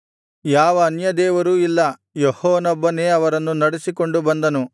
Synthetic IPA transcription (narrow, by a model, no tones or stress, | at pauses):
jaːʋɐːnjɐd̪ɛːʋɐɾuːilːɐ | jɔhɔːnɔbːɐne̞ːɐʋɐɾɐnːunɐɽesiko̞ɳɖubɐnd̪ɐnu